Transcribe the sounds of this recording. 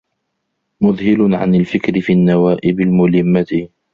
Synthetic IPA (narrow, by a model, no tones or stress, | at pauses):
mʊðˤhɪlʊʕa̰nalfɪkɾɪfiːʔanːawaːʔɪbɪlmʊlɪmːat̪